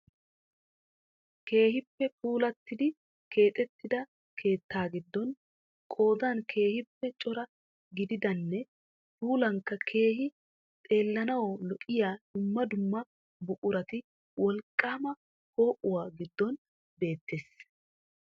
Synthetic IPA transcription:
ke̞ːɦɪpːɛpuːlɐt̪ːɪd̪ɪ | kʰe̞ːt̪ʼɛt̪ːɪd̪ɐ | kʰe̞ːt̪ːaːɡɪd̪ːɔn | kʼo̞ːd̪ankʰe̞ːhɪpːɛt͡ʃʼɔɾɐ | ɡɪd̪ɪd̪ɐnːɛ | puːlɐŋkːɐkʰe̞ːɦɪ | t̪ʼe̞ːlːɐnɐwɔlɔʔɪjaːd̪̥ʊmːɐd̪ʊmːɐ | bʊʔʼʊɾɐt̪ɪ | wɔlkʼːaːmɐ | ho̞ːʔʊwaːɡɪd̪ːɔn | be̞ːt̪ːeːs

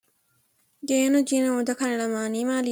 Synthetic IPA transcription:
ɡeːnod͡ʒinɐod̪ɐkɐnelɐmaːnimaːli

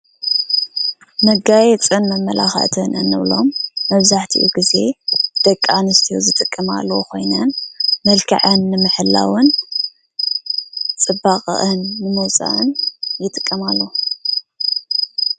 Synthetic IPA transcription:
mɐɡajɛt͡sʼɨnmɐmːɐla̰xɐ̰ʔt̪ʰɨnʔɨnːɨβlo̞̰mːɐβzaħt̪ʰḭʔṵɡize̞d̪̥ɐkʼːanɨst̪ʰijo̰zɨt̪ʼɨkʼːɨma̰lːɐwukʰo̞̰jnɐnmɐlkʰɐ̰ʕɨnːɨmɨħɨlːa̰wɨn | t͡sʼɨbaχʼʔɨnːɨmɨwt͡sʼa̰ʔɨnjɪt̪ʼɨkʼːɨmalːo

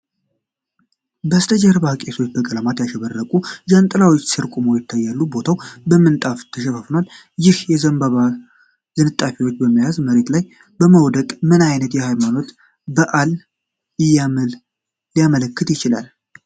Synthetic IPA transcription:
bəst̪ʰʼəd͡ʒaɾβahkʼesʰwo̞t͡ʃːbəɡʼəlamat̪jaʃɛβərːəkʼud͡ʒant̪ʼɨlawot͡ʃːsɨɾkʼumowjɪt̪ʰːajːalːubo̞t̪ʰawbəmːɨnt̪ʼaft̪ʰəʃɛfəfnal | jɪhjɛzəmbəβa | z̥ɨnɨt̪ʼːafiwo̞t͡ʃːbəmːijazməɾe̞t̪laj | bəməwd̪əkʼmɨnajnət̪jɛhajmano̞t̪ | bəʔal | ɨj | lijamələkːɨt̪jɪt͡ʃɪlal

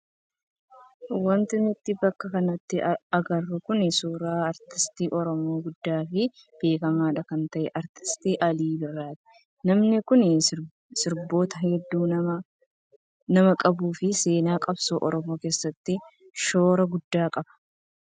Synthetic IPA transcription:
wɐnt̪ɪmɪt̪ːɪbɐkːɐkɐnɐt̪ːɪɐɡɐrːʊkʊnɪsuːɾaːɐɾt̪ɪst̪iːʔɔɾɔmoːɡʊd̪ːaːfɪ | b̥e̞ːkɐmaːᶑɐkɐnt̪ɐʔɛʔɐɾt̪ɪ̥st̪iːʔɐliːbɪrːaːt̪ɪ̥ | nɐmnɪkʊnɪ | sɪɾbo̞ːt̪ɐɦɛd̪ːuːɐɐ | nɐmɐkʼɐbuːfɪse̞ːnaːkʼɐbsoːʔɔɾɔmo̞ːke̞ːsːɐt̪ːɪ | ʃo̞ːɾɐɡʊd̪ːaːkʼɐb̥ɐ̥

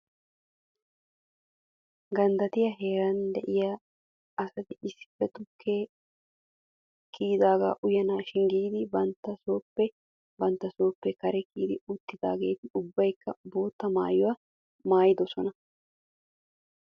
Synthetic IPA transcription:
ɡɐnd̪ɐt̪ɪjɐɦe̞ːɾɐnd̪ɛʔɪja | ɐsɐt̪ɪɪsːɪ̥pːɛt̪ʊkʰːeː | kiːd̪aːɡa̰ːʔʊjɐnaːʃɪŋɡiːd̪ɪbɐnt̪ːɐso̞ːpːɛ | bɐnt̪ːɐso̞ːpːɛkɐɾɛkiːd̪ɪʊt̪ːɪd̪a̰ːɡe̞ːt̪ɪʊbːɐjkːɐbo̞ːt̪ːɐma̰ːjʊwɐ | maːjɪd̪ɔsɔnɐ

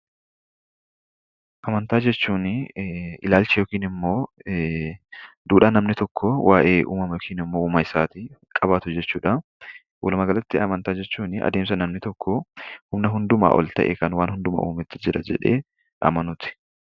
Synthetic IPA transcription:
ʔɐmɐnt̪aːd͡ʒɛt͡ʃːuːnɪɪ̰laːlt͡ʃɪjɔːkiːnɪmːo̞ː | d̪uːᶑaːnɐmnɪt̪ɔkʰːɔwʔaːʔe̞ːʔṵːmɐmɐjɔkʰiːnɪmːo̞ːuːmɐɪsaːt̪ɪkʼɐbaːt̪ʊd͡ʒɛt͡ʃːuːᶑɐ | wʔɔlmɐɡɐlɐt̪ːɪɐmɐnt̪aːd͡ʒɛt͡ʃːuːnɪʔɐ̰d̪eːms̬ɐnɐmnɪt̪ɔkʰːɔhʊmnɐɦʊnd̪ʊma̰ːʔɔ̰lt̪ɐ̰ʔḛkɐnwaːnhʊnd̪ʊma̰ʔṵːmɪt̪ːɪ̥d͡ʒɪɾɐd͡ʒɛ̰ᶑḛː | ʔɐ̰mɐnʊt̪ɪ̥

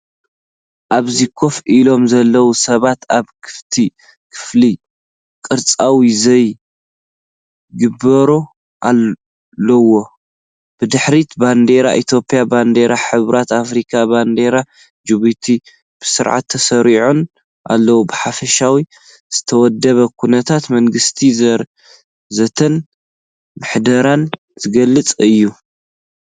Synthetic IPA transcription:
ʔaβzikʰo̞fʔilo̞mzɐlːɐwusɐβat̪aβkʰɨ̥ft̪ʰi | kʰɨ̥fli | kʼɨɾt͡sʼawizɐj | ɡɨbɐɾo | ʔalː | ɐwo̞ | b̥ɨd̪ɨħɾit̪band̪e̞ɾa̰ʔit̪ʰjo̞pʼijaband̪e̞ɾaħɨβɾʔat̪afɾikʰaband̪e̞ɾa | d͡ʒɨβut̪ʰi | b̥ɨsɨɾʕa̰t̪ʰːɐsɐɾiʕon | ʔa̰lːɐwubɨħafɐʃawi | z̥ɨt̪ʰɐwɔd̪ːɐβɐkʰunɐt̪ʰat̪mɐŋɡɨst̪ʰiɾ | zɐt̪ʰɐn | mɨħd̪ɐɾan | z̥ɨɡɐlːɨt͡sʼɨjːu

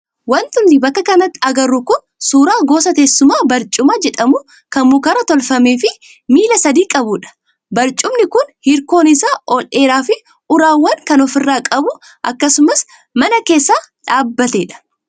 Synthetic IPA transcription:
wɐnt̪ʊnːɪbɐkːɐkɐnɐt̪ːɪɐɡɐrːʊkʊn | suːɾaːɡo̞ːsɐt̪eːsːʊmaːbɐɾt͡ʃʼʊmaːd͡ʒɛᶑɐmʊ | kɐmmukɐɾɐt̪ɔlfɐmeːfɪ | miːlɐsɐd̪iːkʼɐbʊᶑɐ̥ | bɐɾt͡ʃʼʊmnɪkʊnhɪɾko̞ːnɪsaːʔɔlʔe̞ːɾaːfɪ | ʔʊɾaːwːɐŋkɐnɔfɪrːaːkʼɐbʊ | ʔɐkːɐsʊmɐs | mɐnɐke̞ːsːaːᶑaːbːɐt̪e̞ːᶑɐ̥

